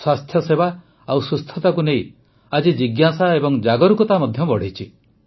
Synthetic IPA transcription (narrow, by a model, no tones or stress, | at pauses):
swast̪ʰjɔseba | awsust̪ʰɔt̪akunej | ad͡ʒid͡ʒiɡjasaebɔŋd͡ʒaɡɔɾukɔt̪amɔd̪ʱjɔbɔɽ̤it͡ʃʰi